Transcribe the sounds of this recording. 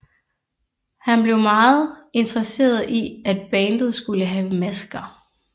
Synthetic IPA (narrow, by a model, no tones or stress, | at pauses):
hænb̥le̝ʊmɑ̈ːð̩ˠe̝nd̥ʁɐse̝̰ːɐð̩ˠʔiæd̥̚b̥ɛːnd̥ð̞̩ˠsɡ̥uləɦɛːʊəmæsɡ̥ɐ